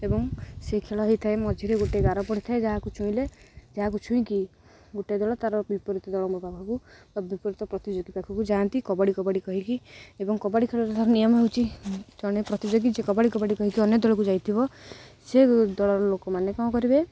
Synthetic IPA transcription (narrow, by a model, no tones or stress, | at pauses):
ebɔŋsekʰeɭɔɦejt̪ʰaemɔd͡ʒʱiɾeɡoʈeɡaɾɔpɔɽ̤it̪ʰaed͡ʒaɦakut͡ʃʰuĩled͡ʒaɦak̬ut͡ʃʰũĩki | ɡoʈed̪ɔɭɔt̪aɾɔbipɔɾit̪ɔd̪ɔɭɔmɾɔbʱakʰɔkubabipɔɾit̪ɔpɾɔt̪id͡ʒoɡipakʰɔkud͡ʒant̪ikɔbaɽikɔbaɽikɔɦikiebɔŋkɔbaɽikʰeɭɔɾet̪ʰaɾɔnijɔmɔɦeut͡ʃʰid͡ʒɔɽ̃epɾɔt̪id͡ʒoɡid͡ʒekɔbaɽikɔbaɽikɔɦikiɔnjɔd̪ɔɭɔkud͡ʒajt̪ʰibɔ | sed̪ɔɭɔɾɔlokɔmanekaw̃kɔɾibe